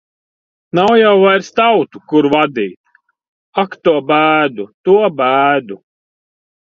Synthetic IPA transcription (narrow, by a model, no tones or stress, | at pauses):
nawjawvajɾst̪awt̪ukuɾvad̪iːt̪ | akt̪uɔbæːd̪ut̪uɔbæːd̪u